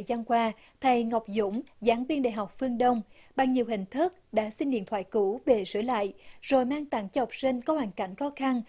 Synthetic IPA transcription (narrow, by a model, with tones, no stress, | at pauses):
jza˧nkwaː˧ | t̪ʰa˧jŋa˨˩wk͡p̚zʊ̰˧˥ŋ͡mzaː˨˦nvi˧ənɗa̰ː˧˨jɦa˨˩wk͡p̚fɨ˧əŋɗə˧wŋ͡m | ɓa˨˩ŋɲi˨˩wɦï˨˩ŋ̟t̪ʰɨ˦˥k̚ɗa̰ː˧˥si˧ŋ̟ɗḭ˧ənt̪ʰwaː˧˨jku˧˥ve˨˩sɨ̰˧˥əla̰ː˧˨jz̥o˨˩jmaː˧ŋt̪a̰˧˨ŋt͡ɕɔ˧hɔ˨˩wk͡p̚si˧ŋ̟kɔ˨˦hwaː˨˩ŋka̰˧˩jŋ̟xɔ˨˦xa˧n